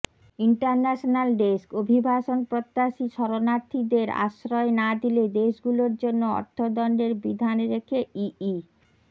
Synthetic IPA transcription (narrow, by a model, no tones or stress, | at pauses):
iɳʈaɾnɛʃonalɖeskobʱibʱaʃonpɾot̪ːaʃiʃɔɾonaɾt̪ʰːid̪eɾa̰ʃɾɔenad̪iled̪eʃɡuloɾd͡ʑonːoɔ̰ɾt̪ʰod̪ɔɳɖeɾbid̪ʱanɾekʰeii